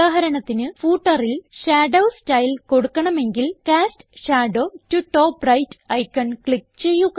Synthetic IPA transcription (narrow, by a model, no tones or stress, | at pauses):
aːɦɐɾɐɳɐt̪ːinɨfuːʈːɐrilɕaːɖɐwstɐjlko̞ɽukːɐɳɐme̞ŋɡilkaːstɕaːɖo̞ːtuʈːoːprɐjtɐjkːɐɳkɭik̚t͡ɕe̞jːuɣ